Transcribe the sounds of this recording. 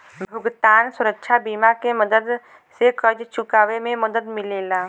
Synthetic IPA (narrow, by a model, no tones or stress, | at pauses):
bʱʊɡt̪aːnsʊɾəkʃʰabiːmakeməd̪əd̪ | sekəd͡ʒt͡ʃʊkaːʋemẽməd̪əd̪mɪleːlaː